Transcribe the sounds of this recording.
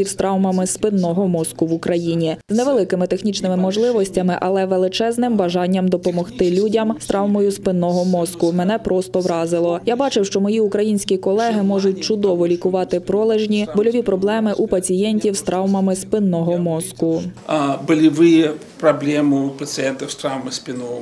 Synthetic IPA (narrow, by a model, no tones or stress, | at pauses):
iwst̪ɾɑwmɐmɪspɪnːɔɦɔmɔskʊʋʊkɾɐjinʲiznɛʋelˠɪkɪmɪt̪exnʲit͡ʃnɪmɪmɔʒlˠɪʋɔsʲtʲɐmɪʔɐlˠɛʋelˠɪt͡ʃɛznɪmbɐʒɑnʲːɐmd̪ɔpɔmɔxt̪ɪlʲudʲɐmst̪ɾɑwmɔjʊspɪnːɔɦɔmɔskʊmɛnɛpɾʔɔst̪ɔʋɾɑzɪlˠɔjabɑt͡ʃɪwʃt͡ʃɔmɔjiʊkɾɐjinʲsʲkʲikɔlˠɛɦɪmɔʒʊt̚ʲt͡ʃʊd̪ɔʋɔlʲikʊʋɑt̪ɪpɾɔlˠeʒnʲibɔlʲɔʋʲipɾɔblˠɛmɪʔupɐt͡sʲijɛnʲtʲiwst̪ɾɑwmɐmɪspɪnːɔɦɔmɔskʊabɨlʲɪʋɨj | pɾɐblʲemɨpət̪sɨjɛnt̪əfst̪ɾawmɨspʲɪnɔ